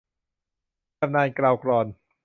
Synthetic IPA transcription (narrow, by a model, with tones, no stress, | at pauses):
p̚naː˧jkɾaː˧wkɾɔː˧˩n